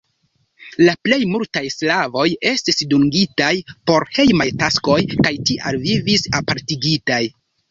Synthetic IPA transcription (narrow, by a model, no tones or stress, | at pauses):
laple̞jmultajslavo̞je̞stisduŋɡitajpo̞ɾhe̞jmajtasko̞jkajtiʔalvivisapaɾtiɡitaj